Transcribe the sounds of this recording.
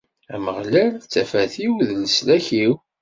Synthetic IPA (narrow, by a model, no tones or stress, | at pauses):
æ̰məʁlælt͡sːæfæθiwðləslæçiw